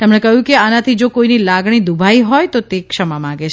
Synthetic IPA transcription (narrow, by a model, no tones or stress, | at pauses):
t̪emɳ̃ekəɦjũkeanãt̪ʰid͡ʒokoinilaɡɽ̃id̪ubʱaiɦɔjt̪ot̪ekʃəmamãɡet͡ʃʰ